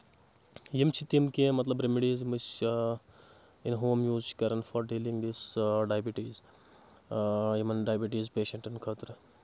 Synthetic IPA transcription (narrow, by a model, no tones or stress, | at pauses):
jimt͡ʃʰit̪imkeːmɐt̪lɐbɾemiɖiːzmis | inɦoːmjuːzt͡ʃkɐɾɐnfɔɾɖelĩŋɡd̪isɖaːjbiʈiːz | jimɐnɖaːjbiʈiːzpeːʃɐ̃ɳʈɐnkʰɐt̪ɾ